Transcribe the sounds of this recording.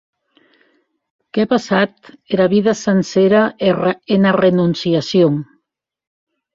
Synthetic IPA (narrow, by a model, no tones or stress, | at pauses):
kepasat̪eɾaβiðasenseɾaenarenunsiasjoŋ